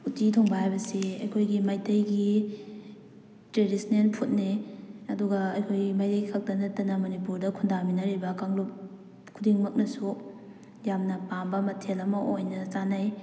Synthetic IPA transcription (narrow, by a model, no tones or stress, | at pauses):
utitʰoŋbɐhajbɐsiɐjkʰojɡimajtɐjɡi | tɾeɾisnenpʰut̚niɐduɡɐːjkʰojɡimajtɐjɡikʰɐk̚dɐnɐtɐnɐmonipuɾdɐkʰundaminɐɾibɐkaŋlup̚ | kʰudiŋmɐk̚nɐsu | jamnɐpambɐmɐtʰelɐmɐʔojnɐt͡ʃanaj